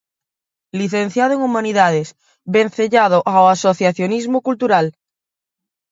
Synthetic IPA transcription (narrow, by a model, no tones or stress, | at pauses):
liθẽn̟θjað̞oeŋumãniðað̞es | bẽn̟θeʎað̞oʔaoasoθjaθjonizmokult̪uɾal